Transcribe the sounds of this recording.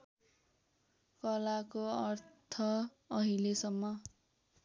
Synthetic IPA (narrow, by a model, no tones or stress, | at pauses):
kʌlakoʌrtt̪ʰʌ | ʌɦilesʌmːʌ